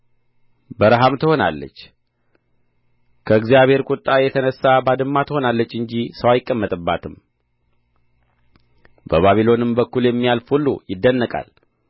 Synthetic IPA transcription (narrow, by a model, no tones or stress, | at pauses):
bəɾɦamt̪ʰəho̞na̰lːə̰t͡ʃː | kʰəɨɡzijaβhe̞ɾkʼʊt̪ʼːajɛt̪ʰənəsːabad̪ɨmːat̪ʰəho̞nalːət͡ʃːɨɲd͡ʒisəwajɪkʼːəmːət̪ʼɨbːat̪ʰɨm | bəβaβilo̞nɨmbəkːuljɛmːijalfulːujɪd̪ːənːəkʼa̰l